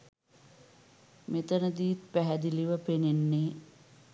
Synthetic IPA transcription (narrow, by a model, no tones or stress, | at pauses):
met̪ənəd̪iːt̪pæɦæd̪iliʋəpenenːe